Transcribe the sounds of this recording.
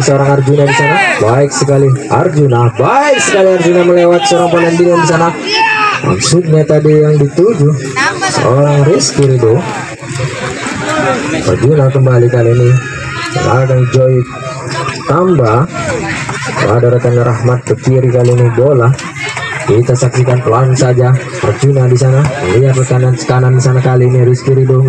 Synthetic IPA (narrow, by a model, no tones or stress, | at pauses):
səoɾaŋard͡ʒuɲadisanabaɪksəkalia̰rd͡ʒunabaɪk̚səkaliard͡ʒuɲaməlewat̪̚səoɾaŋpolɛnbinandisanama̰ŋsuk̪̚ɲat̪adijaŋdit̪ud͡ʒu | sə̰oɾaŋriskiɾido | a̰rd͡ʒunakəmbalikaliːnḭ | ɾaɡaŋd͡ʒoj | t̪amba | adaɾak̪anɾahmat̪̚pəkiɾikaliːnibolah | kit̪asaksikanpuansad͡ʒa | pərd͡ʒunadis̬anaməliat̪rəkanansə̥kanandisanakaliːniɾiskiɾido